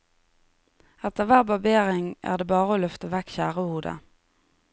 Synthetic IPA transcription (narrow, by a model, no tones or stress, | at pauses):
ɛt̪əʁʋæːʁbɑbeːʁɪŋʔæ̰ːʁd̪eːbɑːʁəoːlœft̪əʋɛkʃæːʁəhuːd̪ə̰